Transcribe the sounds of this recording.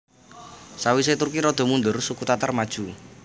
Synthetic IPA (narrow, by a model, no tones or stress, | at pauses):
sawis̬et̪urkiɾɔd̪̥ɔ̤mund̪ʊrsukut̪at̪armad̥ʒ̥ṳ